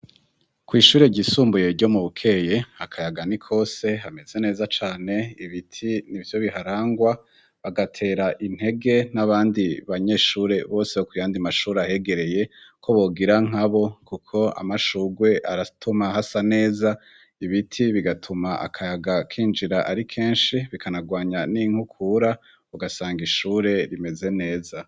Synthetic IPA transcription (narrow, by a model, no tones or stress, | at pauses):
kwiːʃuːɾeɟisuːmbuje̞ɟo̞muβukʰe̞jeakʰajaɡanikʰo̞ːse̞ɦame̞z̥e̞ne̞ːzat͡ʃaːne̞iβitʰinivjo̞βiɦaɾaːŋɡwa | βaɡatʰe̞ːɾaʔin̥he̞ɡe̞naβaːndiβaɲe̞ːʃuːɾe̞βo̞ːsehokujaːndimaʃuːɾeahe̞ɡe̞ɾe̞je̞kʰo̞βo̞ːɡiɾaŋ̥aβo̞kukʰo̞a̰maʃuːɡwe̞ʔaɾatʰumaɦasane̞ːza | iβitʰiβiɡatʰumaʔa̰kʰajaɡakʰiːnd͡ʒiɾaʔaɾikʰe̞ːnʃiβikʰanaɡwaːɲaniŋhukʰuːɾa | uɡasaːŋɡiʃuːɾe̞ɾime̞ze̞ne̞ːza